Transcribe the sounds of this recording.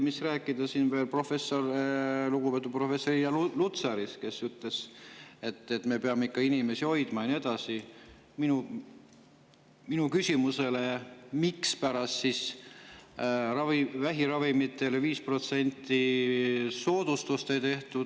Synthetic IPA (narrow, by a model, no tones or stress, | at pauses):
misræːkːˑid̪̥ɑsinve̞ːlpro̞fe̞sːorluɡupe̞ːt̪ːˑupro̞fesːoɾijɑllut̪sɑɾiske̞syt̪le̞se̞t̪ːet̪ːˑme̞peɑmeikːɑinime̞sio̞jd̪̥mɑenie̞d̪ɑsi | minu | minukysʲimuse̞le̞mikspæɾɑst̪sis | rɑvivæɦiɾɑvimit̪ːˑe̞leviːspro̞t̪se̞nʲt̪ːi | so̞ːd̪̥ust̪ust̪e̞jt̪e̞ht̪ud̪